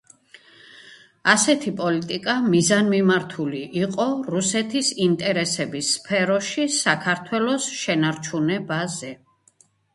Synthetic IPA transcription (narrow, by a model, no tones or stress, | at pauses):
asɛt̪ʰipʼɔlit̪ʼikʼamizanmimaɾt̪ʰuliʔiqʼɔɾusɛt̪ʰisint̪ʼɛɾɛsɛbisːpʰɛɾɔʃisakʰaɾt̪ʰwɛlɔsʃɛnaɾt͡ʃʰunɛbazɛ